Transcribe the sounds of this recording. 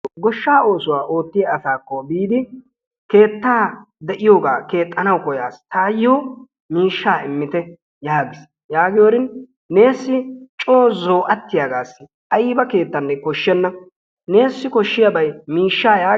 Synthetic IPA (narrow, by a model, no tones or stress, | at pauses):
ɡɔʃːaːo̞ːsʊwaːʔo̞ːt̪ːɪjɐːsaːkːɔbiːd̪ɪ | ke̞ːt̪ːaː | d̪ɛʔɪjoːɡaːke̞ːt̪ʼːɐnɐwkɔjaːst̪aːjːoː | miːʃːaːɪmːɪt̪ɛ | jaːɡɪs | jaːɡɪjoːɾɪn | ne̞ːsːɪt͡ʃʼoːzo̞ːʔɐt̪ːɪjaːɡaːsːɪ | ʔɐjiːbɐke̞ːt̪ːɐnːɛkɔʃːɛnːɐ | ne̞ːsːɪkɔʃːɪjɐbɐjmiːʃːaːjaː